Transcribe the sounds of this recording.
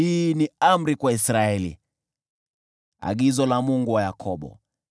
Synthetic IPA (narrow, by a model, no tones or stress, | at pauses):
iːniam̩ɾikwaisɾaɛlḭ | a̰ɠizɔlamuŋɡuwajakʰɔɓɔ̰